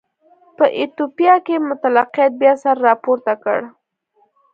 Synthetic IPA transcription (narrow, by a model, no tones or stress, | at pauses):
pəʔɪt̪opijɑkemʊt̪alaqjɑt̪̚bjɑsaɾːɑpoɾt̪akə̰ɽ